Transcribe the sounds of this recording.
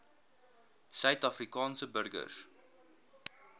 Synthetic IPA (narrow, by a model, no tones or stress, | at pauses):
sœɥtɐfrikɑːnsəbərɡə̰s